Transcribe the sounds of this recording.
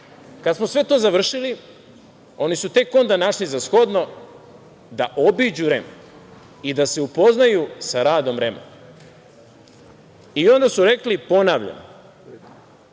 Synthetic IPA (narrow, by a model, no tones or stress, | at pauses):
kad̪smosʋe̞t̪oːzaʋr̩ʃili | o̞nisut̪e̞ko̞nd̪anaʃlizasxo̞d̪no̞ | d̪aʔobiːd͡ʑuɾemo | id̪aseupo̞znajusaɾaːd̪o̞mɾemo̰ | io̞nd̪asuɾe̞klipo̞naːʋʎa̰no